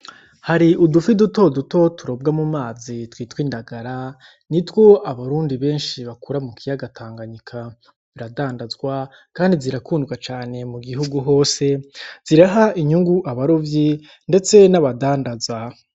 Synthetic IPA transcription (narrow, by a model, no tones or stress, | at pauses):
haɾiʔudufiduto̞duto̞tuɾo̞b̚ɡamumaːzitwiːtwiːndaɡaɾa | nitwo̞ʔaβaɾuːndiβe̞ːnʃiβakuɾamukijaɡatʰaːŋɡaɲikʰa | ziɾadaːndazɡwa | kaːndiziɾakuːndɡwat͡ʃaːne̞muɡiɦuɡuɦo̞ːse̞z̥iɾaɦaʔiɲuŋɡuʔaβaɾovji | nde̞t͡se̞naβadaːndaza